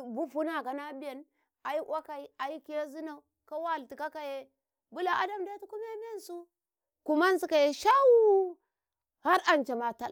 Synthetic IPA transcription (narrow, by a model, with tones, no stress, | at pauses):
bu˦fu˦na˨ka˨na˦bi˦je˨n | ʔa˨i˦ʔwa˦ka˨i˦a˨ji˦ke˦zi˦na˨u˨ | ka˦wa˦˨lti˨ka˦ka˨je˦ | bu˦la˨ʔa˦da˨mda˦tu˦ku˦m˦e˦m˦e˦nsu˦ | ku˨ma˦n˦si˦ka˨je˨ʃa˦wu˦ | ha˦ɾʔa˨nt͡ʃe˨ma˨ta̰˨l